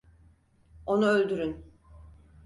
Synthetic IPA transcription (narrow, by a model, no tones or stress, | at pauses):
o̞nuølʲd̪yɾyn